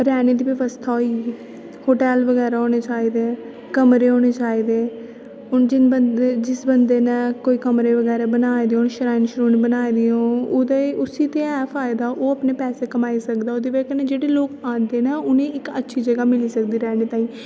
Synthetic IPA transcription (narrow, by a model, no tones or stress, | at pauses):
ɾɛːneːd̪iːʋɪʋəst̪ʰaːɦoiː | hoːʈɛːlʋəɡɛːɾaːɦoːñeːt͡ʃaːiːd̪eː | kəmɾeːoːneːt͡ʃaːiːd̪eː | ʊnd͡ʒɪnbəed͡ʒɪsbənd̪eːnɛ̃ːkoːiːkəmɾeːʋəɡɛːɾaːbənaːed̪eõːnʃəɾaːɪnʃɾoːnːbənaːid̪ijõːʊd̪eʔʊsiːt̪eːɛːpʰaːɪd̪aːʔoːəpneːpɛːseːkəmaːiːsəkd̪aːoːd̪iːʋeːkənɛ̃ːd͡ʒeːɽeːloːkãːnd̪eːnaːʔʊnẽːɪkətːʃʰiːd͡ʒəɡaːmɪliːsəkd̪iːɾɛːneːt̪ãːĩː